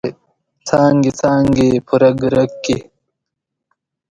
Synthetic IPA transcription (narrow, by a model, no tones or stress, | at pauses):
t͡sʰaːŋɡit͡sʰaːŋɡipʰuɾɐɡɾɐkːi